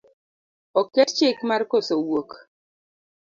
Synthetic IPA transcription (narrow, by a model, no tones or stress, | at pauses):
ɔkett͡ʃɪkmarkosowok